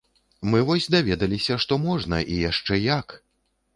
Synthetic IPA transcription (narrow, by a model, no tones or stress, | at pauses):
mɨvɔsʲd̪avʲɛd̪ɐlʲisʲɐʂt̪ɔmɔʐnɐʔijaʂt͡ʂɛjak